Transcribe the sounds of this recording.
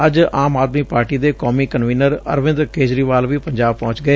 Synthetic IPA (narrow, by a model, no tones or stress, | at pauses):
əd͡ʒaːmaːd̪miːpaːɾʈiːd̪eːkɔːmiːkənʋiːnəɾə̰ɾʋɪ̃nd̪ɾkeːd͡ʒɾiːʋaːlʋiːpəɲd͡ʒaːb̚pɔ̃ːt͡ʃɡəeː